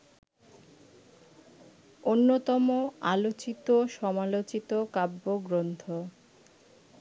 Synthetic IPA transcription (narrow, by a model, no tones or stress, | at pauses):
onːot̪ɔmoalot͡ɕit̪oʃɔmalot͡ɕit̪okabːoɡɾont̪ʰo